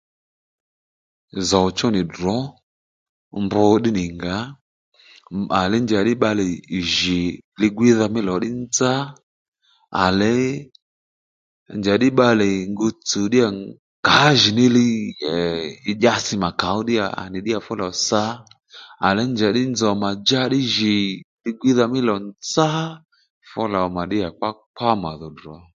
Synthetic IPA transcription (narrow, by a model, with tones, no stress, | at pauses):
za˨t͡ʃɔ˦nɪ˨dɔ˨˦ | mbɔ˧˦ɗɪ˦nɪ˨ŋɡa˨˦ | a˨lɛ˨˦nd͡ʒa˨˦ɗɪ˦ɓa˧lɪ˨ʒɪ˨lɪ˧ɡwi˦ða˧mɪ˦lɔ˨˦ɗɪ˦nd͡za˦ | a̰˨lɛ˦ | nd͡ʒa˨˦ɗɪ˦ɓa˧lɛ˨ŋɡo˧t͡su˨ɗi˦ja˨ | ka˨˦ʒi˨ni˦li˦˨˦ | ʄa˦si˨ma˨ka˨˦u˦ɗi˦ja̰˨a̰˨ni˨ɗi˦a˨fɔ˦la˨sa˦ | a̰˨lɛ˨˦nd͡ʒa˨ɗɪ˦n˦d͡zɔ˨ma˨d͡ʒa˦ɗi˦ʒi˨li˧˦ɡʷwi˦ða˧mɪ˦lɔ˨nd͡za˦ | fɔ˦la˨ma˨ɗi˦ja˨k͡pa˦k͡pʰa˦ma˨ðɔ˨dɔ˨˦